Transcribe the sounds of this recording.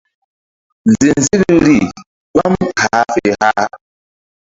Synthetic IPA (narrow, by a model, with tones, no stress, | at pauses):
n˨zi˨n˨zi˦ɾɾi˦˨ | k͡pa˦mha˨˦fe˦˨ha˦